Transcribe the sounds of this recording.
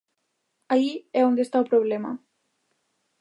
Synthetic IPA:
aiɛond̪est̪auwpɾoβlɛma̰

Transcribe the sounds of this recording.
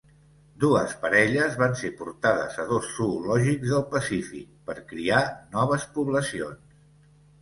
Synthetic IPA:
d̪uəspəɾɛʎəzβansepuɾt̪aðə̰zəðosːulɔʒikzðəlˠpəsifḭk̚pəɾkɾianɔβ̞əspuβləsions

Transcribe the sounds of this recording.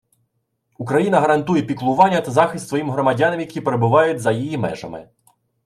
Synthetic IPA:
ukɾɐjinɐɦɐɾɐnt̪ujɛpʲiklˠʊʋɑnʲːɐt̪ɐzɑxɪst̪sʋɔjimɦɾɔmɐdʲɑnɐmjɐkʲipeɾebʊʋɑjʊtʲzɐjijimɛ̰ʒɐ̰mɪ̰

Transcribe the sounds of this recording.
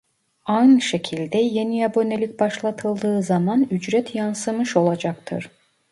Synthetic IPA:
ajnɯʃe̞cʰilʲd̪ɛje̞nijabo̞nelʲic̚ʲbaʃlˠat̪ʰɯlˠd̪ɯːzamanyd͡ʒɾɛt̪ʰjansɯmɯʃo̞lˠad͡ʒakt̪ʰɯ̰ɾ̥

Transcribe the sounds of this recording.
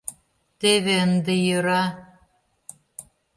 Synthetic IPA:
t̪eβend̪ejɯɾɑ

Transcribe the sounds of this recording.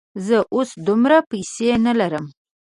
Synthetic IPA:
zəʔosd̪ʊmɾapajsenalaɾəm

